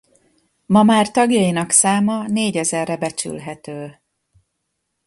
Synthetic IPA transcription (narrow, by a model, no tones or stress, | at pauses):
mɒmaːrt̪ɒɡjɒjinɒksaːmɒneːɟɛzɛrːɛbɛt͡ʃy̰lɦɛt̪øː